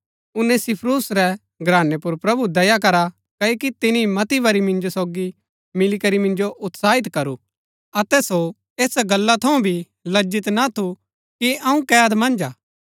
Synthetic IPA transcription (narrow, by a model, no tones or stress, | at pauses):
ʊnɛ̃sɪpʰɾuːsɾɛ | ɡɾaːnepʊɾpɾɐbud̪ɐjak̬ɐɾa | kɐokit̪ɪnimɐt̪iʋɐɾimɪ̃nd͡ʒosoːɡi | mɪlikɐɾimɪ̃nd͡ʒoʔʊt̪saːɦɪt̪kɐɾu | ɐt̪ɛso | eːsɡɐlːat̪ʰɐũbʱi | lɐd͡ʒɪt̪nat̪ʰu | kiɐũkɛːɐt̪mɐ̃nd͡ʒaː